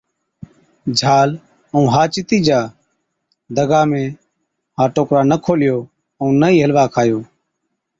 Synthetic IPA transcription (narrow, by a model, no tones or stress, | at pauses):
d͡ʒʱaːl | ũːɦaːt͡ʃɪt̪iːd͡ʒaː | d̪əɡaːmẽː | ɦaːʈoːkɾaːnəkʰoːlɪjoː | ə̃ːnəiːɦəlʋaːkʰaːjoː